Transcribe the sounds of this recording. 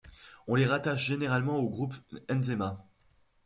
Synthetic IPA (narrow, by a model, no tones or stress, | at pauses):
ɔ̃leʁat̪aʃʒeneʁalmɑ̃oɡʁupɛnzema